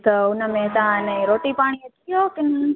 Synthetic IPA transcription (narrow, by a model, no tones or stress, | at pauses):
t̪əʊnəmẽt̪ɐɦãɪnəiɾoːʈipaːɽ̃iet̪ʰijokɪn